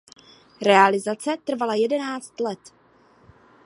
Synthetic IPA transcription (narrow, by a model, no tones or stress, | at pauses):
ɾɛalɪzat͡sɛt̪r̩valajɛdɛnaːt͡st̪lɛt̪